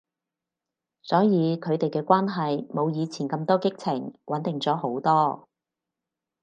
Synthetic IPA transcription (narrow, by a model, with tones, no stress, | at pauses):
sɔː˨˥jiː˨˧kʰɵ˨˧ɥt̪e˨jkɛː˧kʷaː˥nɦɐ˨jmo˨˧wjiː˨˧t͡sʰiː˨˩nkɐ˧mt̪ɔː˥kɪ˥k̚t͡sʰɪ˨˩ŋwɐ˨˥nt̪ɪ˨˩ŋt͡sɔː˨˥ho˨˥wt̪ɔː˥